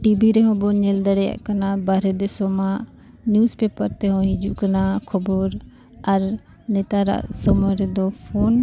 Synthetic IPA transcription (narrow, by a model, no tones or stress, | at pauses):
ʈiːbiːɾeɦõːboɲɪld̪əɽejə̰ʔkənaːbaːɾed̪ɪsoːmãː | njuːspeːpəɾt̪eɦõːɦĩd͡ʒukənakʰʊboɾ | ɐɾ | neːt̪aɾa̰ʔsomoɾed̪oːpʰoːn